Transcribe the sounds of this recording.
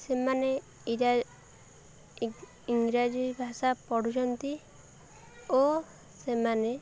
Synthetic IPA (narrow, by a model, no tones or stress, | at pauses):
semane | iŋɡɾad͡ʒubʱasapɔɽut͡ʃʰɔnt̪i | o | semane